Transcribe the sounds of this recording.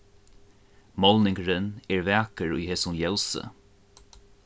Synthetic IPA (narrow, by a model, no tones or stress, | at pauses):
mɔlnɪŋkɹɪnɛɹvɛːkəɹʊ̰jheːsʊnjɛlsə̰